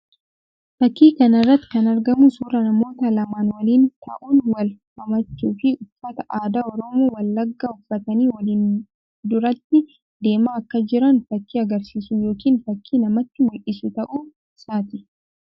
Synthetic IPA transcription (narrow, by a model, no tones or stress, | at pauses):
fɐkːiːkɐnɪrːɐt̪ːɪ̥kɐnɐɾɡɐmusuːɾɐnɐmo̞ːt̪ɐlɐmaːnwɐliːnt̪ʰɐ̰ʔuːnwɐlhɐmɐt͡ʃːuːfɪʊfːɐt̪ɐʔaːd̪aːɔɾɔmoːwɐlːɐɡːaːʊfːɐt̪ɐniːwɐliːn | d̪ʊɾɐt̪ːɪ | d̪e̞ːmaːkːɐd͡ʒɪɾɐnfɐkːiːɐɡɐɾsiːsʊjo̞ːkiːnfɐkʰːiːnɐmɐt̪ːɪmʊlʔɪsʊt̪ɐʔu | saːt̪ɪ